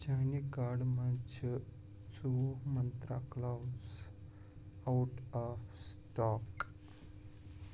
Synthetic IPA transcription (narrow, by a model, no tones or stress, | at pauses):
d͡ʑanikaɽmat͡ɕʰə | t͡sumənt̪ɾaklawd͡z | awuʈafsʈɔk